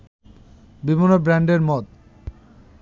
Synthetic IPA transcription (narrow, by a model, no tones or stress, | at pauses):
bibonobɾɛɳɖeɾmɔt̪̚